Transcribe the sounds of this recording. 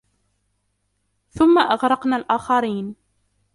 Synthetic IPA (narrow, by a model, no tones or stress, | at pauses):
θʊmːaʔaɣɾˤɑqnaːlʔaːxɑɾiːn